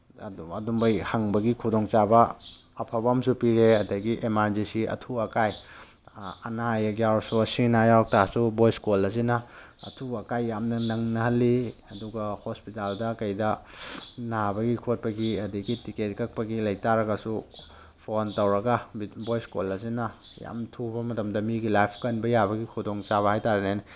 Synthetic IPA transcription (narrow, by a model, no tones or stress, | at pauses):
ɐdumbɐjhɐŋbɐɡikʰudoŋt͡ʃabɐː | pʰabɐmsupiɾeɐdɐɡiʔemaɾd͡ʒisiɐ̰tʰuɐkaj | ɐnajɐɡjawɾsuɐsinajawɾk̚tʰasubojskolɐs̬inɐ | ɐ̰tʰuɐkajːamnɐnɐŋnɐhɐlːiɐduɡɐhospitaldɐkɐjdɐ | nabɐɡikʰot̚pɐɡiɐdiɡitiketkɐk̚pɐɡilɐjtaɾɐɡɐsu | pʰontɐwɾɐɡɐbojskolɐsinɐja̰mtʰubɐmɐtɐmdɐmiɡilajpʰkɐnbɐjabɐɡikʰudoŋt͡ʃaβɐhajtaɾenajn